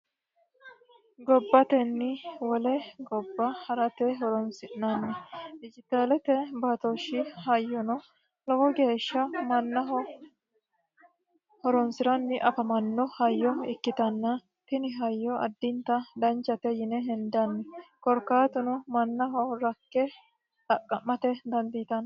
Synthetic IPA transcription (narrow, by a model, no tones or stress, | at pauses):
ɡɔbːɐt̪ɛnːɪwɔlɛɡɔbːɐhɐɾɐt̪ɛɦɔɾɔnsɪʔnɐnːɛd̪ɪd͡ʒɪt̪aːlɛt̪ɛbat̪ɔʃːɪhɐjːɔnɔ | lɔwɔɡe̞ːʃːɐmɐnːɐɦɔ | hɔɾɔnsɪɾɐnːɪʔɐfɐmɐnːɔhɐjːɔɪkːɪt̪ɐnːɐ | t̪ɪnɪɦɐjːɔʔɐ̰d̪ːɪnt̪ɐd̪ɐnt͡ʃːɐt̪ɛjɪnɛɦɛnd̪ɐnːɛkɔɾkːaːt̪ʊnʊmɐnːɐɦɔɾɐkːɛ | t̪ɐkʼːɐmːɐt̪ɛd̪ɐnd̪ɪjt̪ɐnː